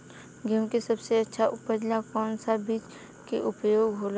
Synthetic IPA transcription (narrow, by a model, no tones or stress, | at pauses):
ɡemkesɐbseɐtːʃʰaʔʊpəd͡ʒlakɔːnsabiːt͡ʃ | keʔʊpjoːɡɦoːla